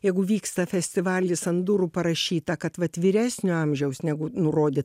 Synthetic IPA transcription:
jɛɪɡʊʋʲiːkst̪ɐfʲɛsʲt̪ʲɪʋɑːlʲjʲɪsɐnd̪uɾʊpɐɾɐʃʲiːt̪ɐkɐt̪ʋɐt̪ʲʋʲɪɾʲæːsʲnʲʊɑmʲʒʲɛʊsnʲɛɡʊnʊɾoːd̪ʲɪ

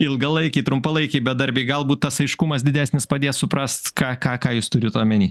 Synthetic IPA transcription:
ɪlˠɡɐlˠɐɪkʲɐɪt̪ɾʊmpɐlˠɐɪkʲɛɪbʲɛd̪ɐɾʲbʲɛɪɡɐlˠbuːt̪t̪ːɐsɐɪʃkʊmɐsd̪ʲɪd̪ʲæːsʲnʲɪspɐd̪ʲeːssʊpɾɐst̪kɑːkɑːkɑːjʊst̪ʊɾʲʊt̪oːmʲɛnʲiː

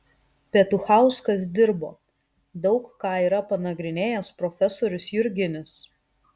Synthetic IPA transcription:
pʲɛːt̪ʊxɑˑʊskɐsd̪ʲɪɾbo̰ː | d̪ɒʊkkɑːiːɾɐpɐnɐɡɾʲɪnʲeːjɛspɾɔfʲɛsoːɾʲʊsjʊɾʲɡʲɪnʲɪs

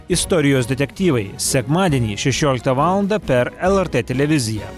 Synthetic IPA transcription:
ɪst̪ɔɾʲɪjoːsd̪ʲɛt̪ʲɛk̚ʲt̪ʲiːʋɐɪsʲɛkmɑːd̪ʲiɛnʲiːʃʲɛʃʲoːlʲɪk̚t̪ɐʋɑːlˠɐnd̪ɐpʲɛɾɛlˠɛɾt̪et̪ʲɛlʲɛʋʲɪzʲɪjɛː

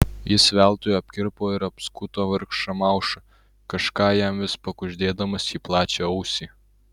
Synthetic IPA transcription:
jɪsʋʲæˑlˠt̪oːjɐpʲkʲɪɾpoːɪɾɐpskʊt̪oːʋɐɾkʃɐmɑˑʊʃɐ | kɐʃkɑːjæmʋʲɪspɐkʊʒʲd̪ʲeːd̪ɐmɐsjiːplˠɑːt͡ʃʲeɐʊsʲiː

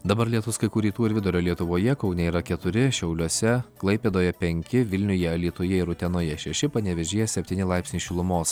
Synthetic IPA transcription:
d̪ɐbɐɾlʲiɛt̪ʊskɐɪkuːɾʲiːt̪uːɪɾʋʲɪd̪ʊɾʲoːlʲiɛt̪ʊʋoːjɛkɒʊnʲɛiːɾɐkʲɛt̪ʊɾʲɪʃʲɛʊlʲuɔsʲɛklˠɐɪpʲeːd̪oːjɛpʲɛŋʲkʲɪʋʲɪlʲnʲʊjɛɐlʲiːt̪oːjɛɪɾʊt̪ʲɛnoːjɛʃʲɛʃʲɪpɐnʲɛʋʲɛʒʲeːjɛsʲɛpʲt̪ʲiːnʲɪlˠɑˑɪpʲsnʲiːʃʲɪlˠʊmoːs

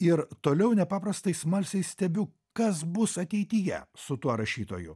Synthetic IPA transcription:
ɪɾt̪oːlʲɛʊnʲɛpɑːpɾɐst̪ɐɪsmɐlʲsʲɛɪssʲt̪ʲɛbʲʊ | kɐsbʊsɐt̪ʲɛɪt̪ʲɪjɛ̰sʊt̪uɔɾɐʃʲiːt̪oːjʊ̰

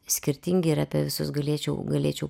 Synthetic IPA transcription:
sʲkʲɪɾʲt̪ʲɪŋʲɡʲɪɪɾɐːpʲɛʋʲɪsʊsɡɐlʲeɛt͡ʃʲɛʊɡɐlʲḛːt͡ʃʲɛʊ

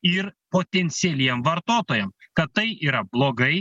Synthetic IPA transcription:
ɪɾpoːt̪ʲɛnʲt̪sʲɪɛlʲiɛmʋɐɾt̪oːt̪oːjɛmkɐt̪̚t̪ɐɪiːɾɐblˠoːɡɐɪ

